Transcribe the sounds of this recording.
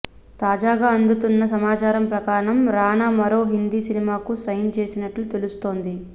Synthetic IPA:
t̪aːd͡ʒaːɡaːɐnd̪ut̪unːɐsɐmaːt͡ʃaːɾɐmpɾɐkaːɳɐmɾaːnaːmɐɾo̞ːɦind̪isinimaːkusɐjnt͡ʃe̞ːsinɐʈlut̪e̞lust̪o̞ːnd̪i

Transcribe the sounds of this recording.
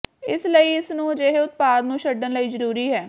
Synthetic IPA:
ɪsləiːɪsnũːd͡ʒeɦeʊt̪̚paːd̪nũːʃəɖːənləiːzəɾuːɾiːɦɛː

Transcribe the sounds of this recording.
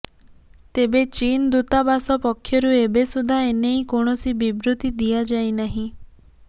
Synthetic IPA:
t̪ebet͡ʃind̪ut̪abasɔpɔkʰːjɔɾuebesud̪ʱaeneikoɳ̃ɔsibibɾut̪id̪iad͡ʒajnaɦĩ

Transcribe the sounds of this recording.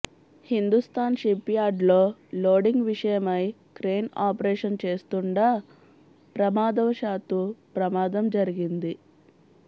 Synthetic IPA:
hind̪ust̪aːnʃipːijaːɖlo̞ːloːɖiŋɡʋiʂɐjɐmɐj | kɾeːnaːpɐɾeːʂɐnt͡ʃe̞ːst̪uɳɖaː | pɾɐmaːd̪ɐʋɐʃaːt̪upɾɐmaːd̪ɐmd͡ʒɐɾiɡind̪i

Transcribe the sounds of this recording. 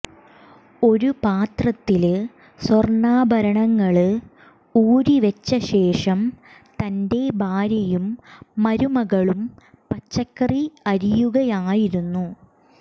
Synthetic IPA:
o̞ɾupaːt̪rɐt̪ːil | sworɳaːbʱɐɾɐɳɐŋːɐɭɨ | uːɾiʋet͡ɕːɐɕe̞ːʂɐm | t̪ɐnde̞bʱaːɾjɐjumːɐɾumɐɣɐɭum | pɐt͡ɕːɐkːɐriɐɾijuɣɐjaːjiɾunːu

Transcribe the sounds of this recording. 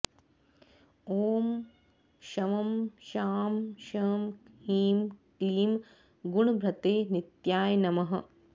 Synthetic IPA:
oːm | ʃɐʋɐmʃaːmʃɐːmhiːmkliːm | ɡuɳbʱɾɐt̪eːnit̪jaːjnɐmɐɦɐ̰

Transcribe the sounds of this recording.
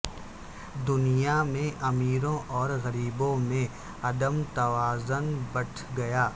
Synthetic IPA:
d̪ʊnijamẽʔɐmiːɾõʔɔːɾɣɐɾiːbõmẽ | ɐd̪əmt̪ɐʋaːzʊnbɐʈʰɡɐjaː

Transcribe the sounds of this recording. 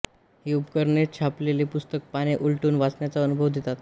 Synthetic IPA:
ɦiubkəɾnet̪̚t͡ɕʰaplelepust̪ək̚paɽ̃eʔulʈuːnʋat͡sɳjat͡saənubʱəʋd̪ʱit̪at̪

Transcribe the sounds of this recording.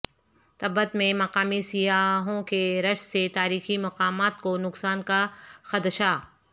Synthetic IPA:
t̪ɐbət̪mẽmɐqaːmisijaːɦõkeɾɐʃset̪aːɾiːximɐqaːmaːt̪̚konʊqsaːnkaxɐd̪ʃa

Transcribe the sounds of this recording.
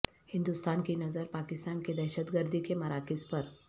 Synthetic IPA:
hind̪ust̪ankinəzəɾpakɪst̪anked̪ɛɦɕət̪ɡəɾd̪ʱikeməɾakispəɾ

